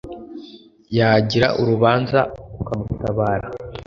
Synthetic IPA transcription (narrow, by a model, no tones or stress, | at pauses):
jaɟiɾa̰ʔuɾuβaːnzaukamutaβaːɾa